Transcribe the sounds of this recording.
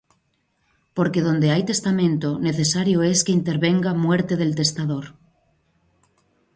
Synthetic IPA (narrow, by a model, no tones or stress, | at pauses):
po̞ɾkeð̞õ̞nd̪e̞ajt̪e̞st̪amẽ̞nt̪one̞θe̞saɾjoe̞ske̞int̪e̞ɾβe̞ŋɡamwe̞ɾt̪e̞ð̞e̞lt̪e̞st̪aðoɾ